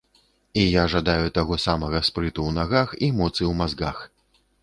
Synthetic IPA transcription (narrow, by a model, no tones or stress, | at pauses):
ijaʐad̪ajut̪aɣɔsamɐɣɐspɾɨt̪uwnaɣaximɔt̪sɨwmazɡax